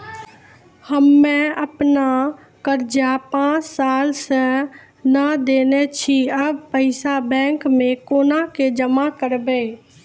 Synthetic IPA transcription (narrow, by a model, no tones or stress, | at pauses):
həmːɛ̃əpna | kəɾd͡ʒapãːt͡ʃsaːlsə̃ | nəd̪eːnɛt͡ʃʰiəb̚pəɪsabɛ̃ːŋkmẽkoːnaked͡ʒəmakəɾbe